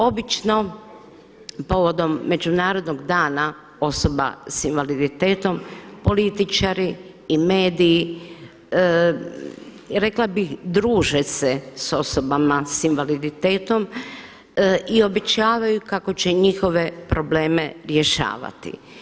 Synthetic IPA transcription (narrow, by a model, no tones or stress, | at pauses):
o̞bit͡ʃno̞ | po̞ʋod̪o̞mːe̞d͡ʑunaːɾo̞d̪noɡd̪aːna | o̞so̞ba̰sinʋalid̪it̪e̞ːt̪o̞mpo̞lit̪it͡ʃaɾiː | meːd̪iː | ɾe̞klˠabixd̪ɾuːʒeseso̞sobamasinʋalid̪it̪e̞ːt̪o̞m | io̞be̞t͡ɕaːʋajukako̞t͡ɕeɲixo̞ʋe̞pɾo̞ble̞ːme̞ɾjeʃa̰ːʋa̰t̪ḭ